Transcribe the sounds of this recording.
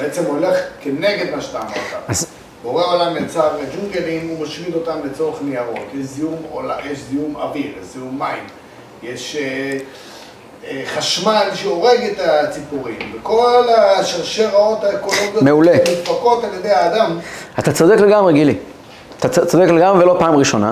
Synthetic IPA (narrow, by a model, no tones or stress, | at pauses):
beet͡semo̞le̞χkeneɡe̞d̪maʃt̪anaot̪a̰vaz | boʁeolamlet͡saved͡ʒuŋɡelimumaʃmilo̞t̪amlet͡so̞ʁeχneaʁo̞̰t̪jeʃzijumolajeʃzijuma̰viʁjeʃz̥ijumːaim | jeʃe | χaʃmalʃeo̞ʁe̞ɡet̪at͡sipuʁimbeko̞laʃaʁʃeʁao̞t̪aeko̞lo̞ɡjomeulemit̪pako̞taljed̪e̞jhaːd̪amat̪at͡sod̪ekleɡamʁeɡili | at̪at͡sod̪ekleɡamʁvelo̞paːmʁiʃo̞na̰